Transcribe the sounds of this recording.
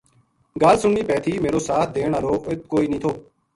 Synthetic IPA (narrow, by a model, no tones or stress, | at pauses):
ɡaːlsʊɳiːpɛːt̪ʰiːmeːɾoːsaːt̪̚ʰd̪eːɳaːɾoːɪt̪̚koːiːnĩːt̪ʰoː